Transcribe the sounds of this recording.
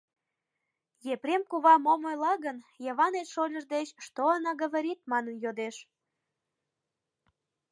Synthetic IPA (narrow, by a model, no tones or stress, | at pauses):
jepɾʲemkuβɑmomojlɑɣənjəβɑnet̪ʃolʲəʒd̪et͡ɕʃt̪oɑnɑɣəβəɾʲit̪̚mɑnənjod̪eʃ